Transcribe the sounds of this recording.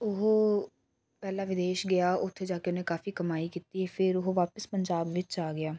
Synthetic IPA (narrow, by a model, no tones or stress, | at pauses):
ʊɦoː | pɛːlaːʋɪd̪eːʃɡɪjaːʔʊt̪ʰːeːd͡ʒaːkeʊnẽːkaːfiːkəmaːiːkiːt̪iːɛːpʰɪɾoɦoʋaːpəspəɲd͡ʒaːbʋɪt͡ʃaːɡɪaː